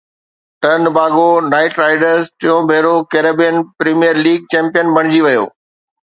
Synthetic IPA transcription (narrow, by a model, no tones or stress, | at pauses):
ʈɐɾnbʱaːɡonaːɪʈɾaːɪɖəɾzʈɪjõbʱeːɾokeːɾəbijənpɾiːmijəɾliːɡ̚t͡ɕɛ̃ːmpijənbɐɽ̃ɪd͡ʑiʋɐjo̰ː